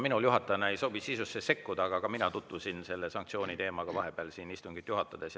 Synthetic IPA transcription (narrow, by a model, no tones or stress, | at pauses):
minuljuɦɑt̪ːˑɑnɑe̞jso̞ːbisisusːese̞kːud̪ɑːɡ̥ɑɡ̥ɑminɑt̪ut̪vusinse̞lːesɑŋk̚t̪sʲio̞ːnʲit̪e̞ːmɑɡ̥ɑvɑɦe̞b̥eɑlsiːnist̪uŋɡit̪ːˑjuɦɑt̪ːˑɑd̪̥es